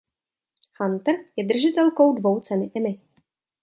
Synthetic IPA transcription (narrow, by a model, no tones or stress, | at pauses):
hant̪r̩jɛd̪r̩ʒɪt̪ɛlko̞wdvo̞wt͡sɛnɪʔɛmɪ